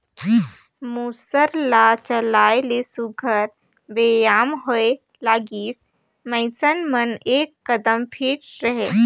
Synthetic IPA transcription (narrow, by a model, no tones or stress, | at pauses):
muːsəɾlaːt͡ʃəlaːelesʊɡʱəɾ | beːjaːmɦoe | laːɡiːs | məɪsənməneːkːɐd̪əmpʰiːʈɾɐɦeː